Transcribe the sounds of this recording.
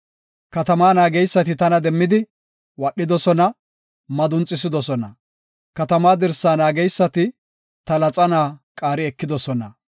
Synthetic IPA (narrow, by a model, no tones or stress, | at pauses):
kɐt̪ɐmaːnaːɡɛjsːɐt̪ɪt̪ɐnɐd̪ɛmːɪd̪ɪ | wɐɗːɪd̪ɔsɔnɐ | mɐd̪ʊnt͡sʼːɪs̬ɪd̪ɔsɔnɐ | kɐt̪ɐmaːd̪ɛɾsːaːnaːɡɛjsːɐt̪ɪ | t̪ɐlɐt͡sʼɐnaːkʼaːɾɪɛkːɪd̪ɔsɔnɐ